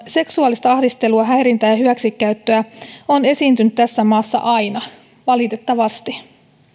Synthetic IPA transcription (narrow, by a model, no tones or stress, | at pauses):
se̞ksuɑlist̪ɑɑhdist̪e̞luɑɦæjɾint̪æjɑɦyʋæksikːæyt̪ːøæo̞ne̞siːnt̪ynyt̪t̪æsːæmɑːsːɑ̰ʔɑjnɑ | ʋɑlit̪et̪ːɑʋɑst̪i